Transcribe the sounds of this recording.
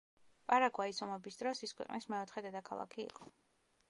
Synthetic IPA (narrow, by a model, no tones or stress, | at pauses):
pʼaɾakʰʼwaisɔmɛbisd̪ɾɔsiskwɛ̰qʼnismɛɔt̪ʰχɛd̪ɛd̪akʰalˠa̰kʰḭːqʼɔ